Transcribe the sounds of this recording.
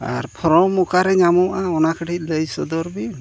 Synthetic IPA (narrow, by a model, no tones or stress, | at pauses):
a̰ɾpʰɔɾɔmɔkaɾɛɲamɔʔaɔnakʰəʈʰit̚ˀləjsɔd̪ɔɾbin